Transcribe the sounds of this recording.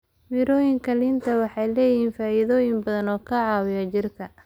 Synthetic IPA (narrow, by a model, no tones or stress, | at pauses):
mɪɾɔːjɪŋkʰɐlɪnt̪ʰɐwɑħɑjlɛːjɪɦiːnfaːʔiðɔːjɪŋbɐðɐnɔːkʰɐʕɑːwɪjɐt͡ʃɪrkʰɐ